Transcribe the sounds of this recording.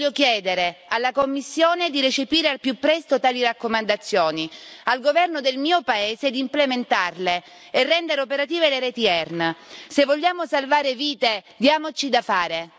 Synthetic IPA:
okjɛːd̪eɾealːakomːisːjoːned̪iɾet͡ʃepiːɾealpjupːɾɛst̪ot̪aːliɾakːomand̪at̪sːjoːnialɡovɛrnod̪elmiːopaeːzed̪implement̪arleː | rːɛnd̪eɾeopeɾat̪iːveleɾet̪iɛrnsevːoʎːaːmosalvaːɾeviːt̪ed̪jaːmot͡ʃid̪afaːɾe

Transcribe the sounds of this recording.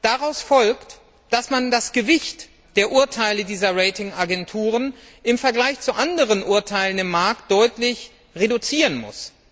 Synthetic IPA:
d̥aʁaʊsfɔlkt | d̥asmandasɡ̥əvɪçt | d̥eːɐʔʊɐtʰaɪlədiːzɐʁɛɪtɪŋaɡɛntʰuːʁən | ʔɪmfɛɐɡlaɪçt͡suʔandəʁ̞ənʔʊɐtʰaɪlənɪmːaɐkt̚d̥ɔʏtlɪç | ʁedut͡siːʁənmʊ̰s

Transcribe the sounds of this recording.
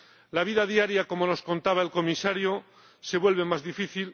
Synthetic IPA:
laβ̞iðaðjaɾjako̞mo̞no̞skont̪aβ̞ae̞lko̞misaɾjo | se̞βwe̞lβe̞mazðifiθil

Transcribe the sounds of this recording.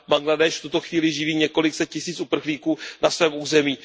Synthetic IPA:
baŋɡladɛʃft̪ut̪o̞xviːlɪʒɪviːɲɛko̞lɪksɛt̪̚cɪsiːt͡supr̩xliːkuːnasvɛːmʔuːzɛmiː

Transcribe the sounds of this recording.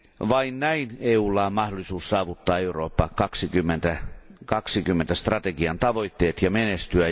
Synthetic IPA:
ʋɑinnæineːuːlːɑːmmɑhdolisuːssɑːʋut̪ːɑːeuro̰ːpːɑkɑksikymːent̪ækɑksikymːent̪æst̪rɑt̪eɡiɑnt̪ɑʋo̞it̪ːeːt̪jɑmenest̪yæ

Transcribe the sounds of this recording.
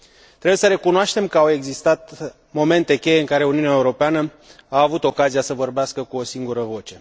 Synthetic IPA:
t̪ɾebujesəɾe̞kunoaʃt̪e̞mkəawe̞ɡzist̪at̪ | mo̞me̞nt̪e̞kʲe̞jeɨŋkaɾe̞uniunaeuɾo̞peanə | aːvut̪o̞kaziasəvo̞rbeaskəkuo̞siŋɡuɾəvo̞t͡ʃe̞

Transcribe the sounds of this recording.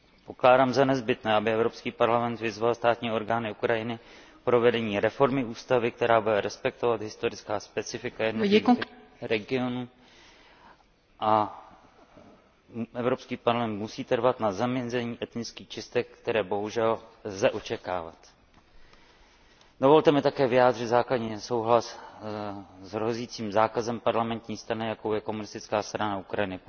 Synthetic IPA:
po̞klaːdaːmzanɛzbɪt̪nɛːabɪɛvɾo̞pskiːpaɾlamɛnt̪vɪzvalst̪aːt̪ɲiːo̞ɾɡaːnɪukɾajɪnɪ | pɾo̞vɛdɛɲiːɾɛfo̞ɾmɪuːst̪avɪk̚t̪ɛɾaːbudɛɾɛspɛk̚t̪ovat̪ɦɪst̪o̞ɾɪt͡skaːspɛt͡sɪfɪkajɛdnokɾɛɡɪo̞nuː | ʔa | ʔɛvɾo̞pskiːpaɾlamɛnt̪̚musiːt̪ɛɾvat̪nazamɲɛzɛɲiːʔɛt̪nɪt͡skiːxt͡ʃɪst̪ɛkkt̪ɛɾɛːbo̞ɦuʒɛlzɛʔo̞t͡ʃɛkaːva̰t̪ | dovo̞lt̪ɛmɪt̪akɛːvɪjaːd̪r̝ɪt̪zaːkladɲiːso̞wɦlas | zɦɾoziːt͡siːmzaːkazɛmpaɾlamɛnt̪ɲiːst̪ɾanɪjako̞wjɛko̞munɪst̪ɪt͡skaːst̪ɾanaukɾajɪnɪ

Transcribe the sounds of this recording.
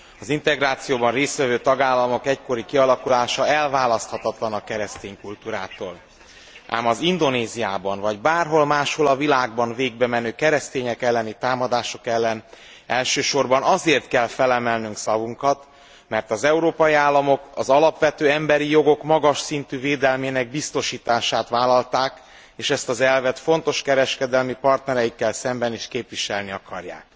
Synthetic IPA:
ɒzint̪ɛɡɾaːt̪sijoːbɒnreːst̪ʋɛvøːt̪ɒɡaːlːɒmo̞kɛcko̞ɾikiɒlɒkulaːʃɒɛlvaːlɒst̪hɒt̪ɒt̪lɒnɒkɛɾɛst̪eːɲkult̪uːɾaːt̪oːl | ʔa̰ːmɒzind̪o̞neːzijaːbɒnvɒɟbaːrɦo̞lmaːʃho̞lɒvilaːɡbɒnveːɡ̚bɛmɛnøːkɛɾɛst̪eːɲɛkɛlːɛnit̪aːmɒd̪aːʃo̞kɛlːɛn | ɛlʃøːʃo̞rbɒnɒzeːrt̪kɛlfɛlɛmɛlnyŋksɒvuŋkɒt̪ | mɛrt̪ɒzɛuɾoːpɒjiaːlːɒmo̞kɒzɒlɒpʋɛt̪øːɛmbɛɾijo̞ɡo̞kmɒɡɒʃsint̪yːveːd̪ɛlmeːnɛɡ̚bist̪o̞ʃiːt̪aːʃaːt̪ʋaːlɒlt̪aːk | eːʃɛst̪ɒzɛlvɛt̪fo̞n̪t̪o̞ʃkɛɾɛʃkɛd̪ɛlmipɒrt̪nɛɾɛjikːɛlsɛmbɛniːʃkeːpʋiʃɛlniɒkɒrja̰ːk

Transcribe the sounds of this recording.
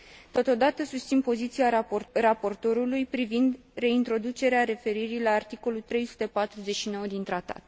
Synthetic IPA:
t̪o̞t̪o̞d̪at̪əsust̪sinpo̞zit̪siarapo̞rt̪o̞ɾulujpɾivind̪ | re̞int̪ɾo̞d̪ut͡ʃe̞ɾeaɾe̞fe̞ɾiɾilaːrt̪iko̞lut̪ɾe̞jsu̥t̪e̞pat̪ɾuze̞t͡ʃʃino̞wəd̪int̪ɾat̪a̰t̪

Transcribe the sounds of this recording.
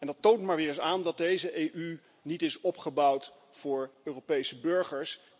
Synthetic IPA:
ɛndɑtowntmaːɹʋɪːrəsaːndɑt̚dejzəʔejʔy | nitɪsɔpχəbʌwt | fʊːɹøːropejsəbɵɹχəɹs

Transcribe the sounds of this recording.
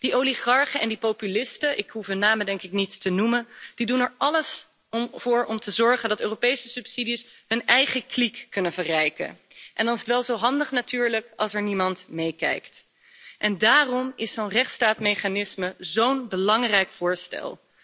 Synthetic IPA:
d̥iʔowliχɑɹχəɛndipopylɪstəʔɪkɦufɦənːaːmədɛŋkɪk̚nittənumənd̥idunɛɹɑləs | v̥ʊːɹɔmtəzɔɹχəndɑtøːrowpejsəsɵpsidisɦɵnɛjχəklikːɵnənvərɛjkə̰n | ʔɛndɑnɪsətʋɛlˠzowɦɑndəχnatyːɹləkɑ̰lˠsɛɹnimɑntmejkɛ̰jkt | ʔɛndaːrɔmɪsownrɛχtstaːtmejχanɪsməzownbəlɑŋrɛjkfʊːɹstɛ̰lˠ

